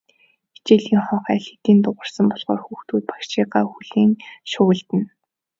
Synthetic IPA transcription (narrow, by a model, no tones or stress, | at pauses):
e̥t͡ɕeːɮiːŋχɔːχæːɬe̥t̪iːnt̪ʊʁə̆rsə̆mpɔɮʁɔ̰ːrxuːxt̪uːt̪̚pḁkʃiːɢaːxuɮiːŋʃʊ̆ːɮt̪ɘ̆n